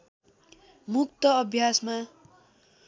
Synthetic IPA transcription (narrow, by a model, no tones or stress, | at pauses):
muk̚t̪ʌʌbʱjasma